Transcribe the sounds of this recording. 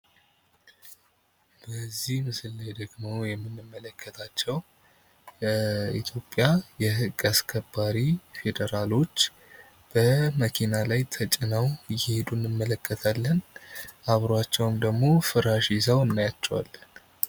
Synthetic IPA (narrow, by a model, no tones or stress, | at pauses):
bəzːihmɨsɨlːajd̪əɡmo̞jɛmːɨnːɨmːələkʰːət̪ʰat͡ʃːɛw | ḭt̪ʰjo̞pʼːjajɛɨkʼaskʰəbːaɾife̞d̪əɾalo̞t͡ʃː | b̥əməkʰinalajt̪ʰət͡ʃʼɪnawjɪhed̪unːɨmːələkʰːət̪ʰalːənʔaβɾoat͡ʃːɛwɨmd̪əɡmo̞fɨɾaʃisawɨnːajat͡ʃːɛwa̰lːən